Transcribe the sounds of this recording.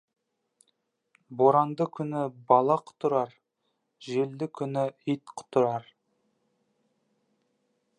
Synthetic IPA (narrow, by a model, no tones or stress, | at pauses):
boɾɑnd̪əkʲʰʏnɪbɑlˠɑqʰʊ̥t̪ʊɾɑɾ | ʒe̞ld̪ɪkʲʰʏnɪijt̪qʰʊ̥t̪ʊɾɑɾ